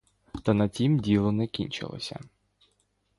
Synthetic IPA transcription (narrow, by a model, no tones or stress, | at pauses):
t̪ɐnɐtʲimdʲilˠɔnɛkʲinʲt͡ʃɪ̰lˠɔ̰sʲɐ̰